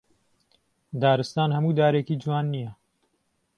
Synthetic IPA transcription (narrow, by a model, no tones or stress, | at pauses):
d̪aːɾɨst̪aːnhɐmuːd̪aːɾeːkiːd͡ʒuwaːnːijɛ